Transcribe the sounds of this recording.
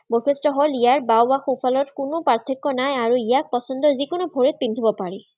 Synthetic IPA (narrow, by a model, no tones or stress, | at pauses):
boxistɹɔɦɔlijaɹbawbaxupʰalɔtkʊnʊpaɹt̪ʰikːɔnajaɹuijak̚pɔsɔnd̪ɔzikʊnʊbʱoɹit̪̚pind̪ʱibɔpaɹi